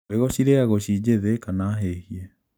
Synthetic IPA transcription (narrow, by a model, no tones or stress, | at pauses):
eɣoɕiɾeaɣoɕid͡ʑeðekanaːɦehiɛ